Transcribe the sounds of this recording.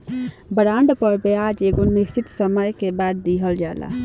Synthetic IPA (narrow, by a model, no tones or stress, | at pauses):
bəɾãːɳɖpəɾbeaːd͡ʒeːɡonɪsɪt̪səmajkebaːd̪̚ːiɦəld͡ʒa̰ːla̰